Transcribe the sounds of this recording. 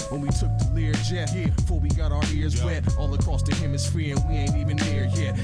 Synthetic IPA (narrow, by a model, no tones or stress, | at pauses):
ə̃nwitʰʊk̚ðəlɪɹd͡ʒɛt̚hiɹfə˞wiɡɑɾaʊə˞ɪɹzwɛɾɔlˠəkʰɹ̥ɔstʰɨhɪ̃mɨz̥fɹĩnwiẽɪ̃ntivɨ̃nðiɹhiɹ